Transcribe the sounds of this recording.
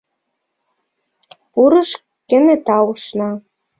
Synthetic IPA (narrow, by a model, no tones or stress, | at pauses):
puɾɤ̆ʃ | kĕnĕt̪ɑuʃnɑ